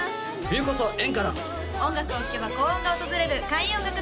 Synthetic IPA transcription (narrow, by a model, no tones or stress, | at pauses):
bʲiːkos̬oʔẽ̞ŋkaɾa | õ̞ŋɡakɯ̟okʲːeβakoːoɡaot̪ozɨɾe̞ɾɯ̟kaiõ̞ŋɡakɯ̟